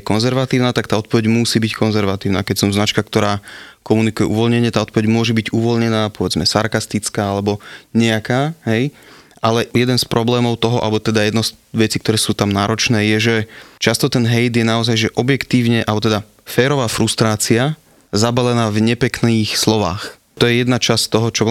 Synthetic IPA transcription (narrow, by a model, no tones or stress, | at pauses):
kɔnzɛɾʋat̪iːʊnaːt̪ak̚t̪aːɔt̪pɔʋɛɟmusiːbickʰɔnzɛɾʋat̪iːʊnaːkɛcsɔmznat͡ʃkak̚t̪ɔɾaːkɔmunikujɛʔuʋɔlɲɛɲɪɛt̪aːɔt̪̚pɔʋɛɟmʊɔʒɛbiɟuʋɔlɲɛnaːpɔʋɛd͡zmɛsaɾkast̪it͡skaːalɛbɔɲɛakaːɦɛj | ʔalɛjɛd̪ɛnspɾʔɔblɛːmɔʊt̪ɔɦɔʔa̰lbɔt̪ɛd̪ajɛd̪nɔs | ʋɛt͡siːkt̪ɔɾɛːsuːt̪amnaːɾɔt͡ʃnɛːjɛʒɛt͡ʃast̪ɔt̪ɛnɦɛjd̪jɛnaɔzajʒɛʔɔbjɛkt̪iːʊɲɛʔalbɔt̪ɛd̪a | fɛːɾɔʋaːfɾust̪ɾaːt͡sia | zabalɛnaːvɲɛpɛkniːxslɔʋaːx | t̪ɔjɛjɛd̪nat͡ʃast̪ɔɦɔt͡ʃɔ